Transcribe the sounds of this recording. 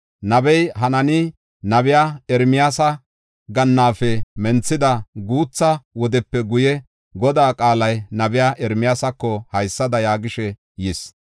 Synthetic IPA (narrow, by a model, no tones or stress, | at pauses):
nɐbɛjɦɐnɐnɪ | nɐbɪjaɛɾmɪjaːsɐ | ɡɐnːaːfɛmɛnt͡sːɪd̪ɐɡuːt͡sːɐwɔd̪ɛpːɛɡʊjɛ | ɡɔd̪aːkʼaːlɐjnɐbɪjaʔɛɾmɪjaːsɐkːɔhɐjsːɐd̪ɐjaːɡɪʃɛ | jɪs